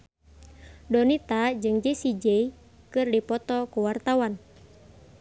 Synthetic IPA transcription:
dɔnit̪ad͡ʒɨŋd͡ʒesid͡ʒei | kɨrdipɔt̪ɔkuwart̪awan

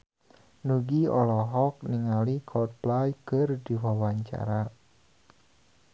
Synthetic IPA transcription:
nuɡiɔlɔɦɔk̚niŋalikʰɔt̪̚plajkɨrdiwawaɲt͡ʃa̰ɾa

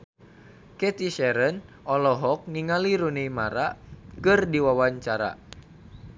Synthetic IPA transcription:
kɛt̪iʃɛɾən | ɔlɔɦɔk̚niŋaliɾunimaɾakɨrdiwawaɲt͡ʃaɾa̰

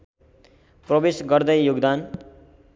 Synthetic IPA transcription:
prʌbesɡʌrd̪ʌjjuɡd̪an

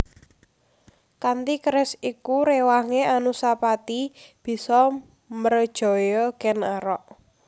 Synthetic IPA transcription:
kant̪ikɾɪsikuɾewaŋeʔanusapat̪ib̥i̤sɔ | mərd̥ʒ̥ɔ̤jɔɡ̥ɛnaɾɔʔ

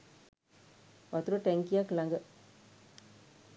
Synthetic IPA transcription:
ʋɐt̪uɾoʈɛŋkijaːkɪlaːŋɡɐ

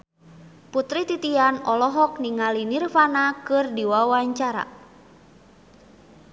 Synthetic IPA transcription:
put̪ɾit̪it̪ianɔlɔɦɔk̚niŋalinirfanakɨrdiwawaɲt͡ʃaɾa̰

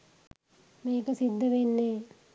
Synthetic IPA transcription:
meːkəsid̪ːəʋenːeː

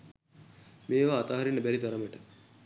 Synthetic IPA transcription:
meːʋaːt̪aɦaɾinːəbæɾid̪aɾəməʈə

